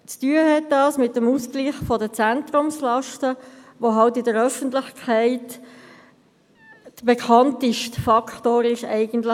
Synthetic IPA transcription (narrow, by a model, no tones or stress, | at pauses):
t͡styəɦɛt̚dɑːsmɪtːəmuskliːχfɔdət͡sænt̪ɾʊmslɑʃtəʋoɦɑltɪdəɾœfən̩tlɪχkʰæɪt | d̥əbekʰɑntɪʃtfɑkʰtoːɾɪʃɛ̰ɪɡəntlə